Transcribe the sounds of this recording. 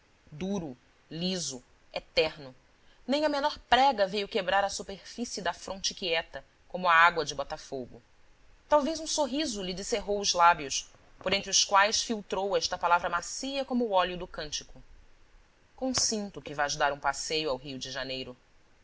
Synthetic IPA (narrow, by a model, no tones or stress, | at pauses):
d̪uɾʊ | lizʊ | et̪ɛɾnʊ | nẽj̃ɐmenɔɾpɾɛɡɐvejʊkebɾaɾɐsupeɾfisiid̪ɐfɾõnt͡ʃɪkiɛt̪ɐ | kõmʊɐaɡwɐd͡ʒɪbɔt̪afoɡʊ | t̪awvejzũsoɦizʊlɪd͡ʒɪseɦowʊzlabjʊs | poɾẽnt̪ɾʊskwajsfiwt̪ɾowɛʃt̪ɐpalavɾɐmasiɐkõmʊːɔljʊd̪ʊkɐ̃nt͡ʃɪkʊ | kõsĩnt̪ʊkɪvazd̪aɾũpasejʊawɦiʊd͡ʒɪʒanejɾʊ